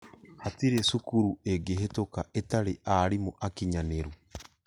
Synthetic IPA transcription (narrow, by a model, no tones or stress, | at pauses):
hatiɾesukuɾueɡeɦetokaetaɾeʔaɾimoʔakiɲaneɾu